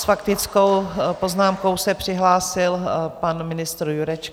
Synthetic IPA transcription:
sfakt̪ɪt͡sko̞wpo̞znaːmko̞wsɛpr̥ɪɦlaːsɪlpanmɪnɪst̪ɾjuɾɛt͡ʃk

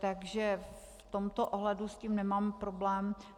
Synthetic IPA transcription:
t̪aɡʒɛf | t̪omt̪oʔoɦlɛdusciːmnɛmaːmpɾoblɛːm

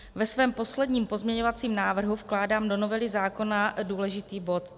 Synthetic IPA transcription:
vɛsvɛːmpo̞slɛdɲiːmpo̞zmɲɛɲo̞vat͡siːmnaːvr̩ɦufklaːdaːmdo̞no̞vɛlɪzaːko̞naduːlɛʒɪt̪iːbo̞t̪

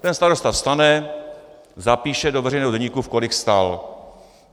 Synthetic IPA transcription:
t̪ɛnst̪aɾost̪afst̪anɛ | zapiːʃɛdo̞vɛrɛjnɛːɦoɛɲikufko̞lɪxst̪al

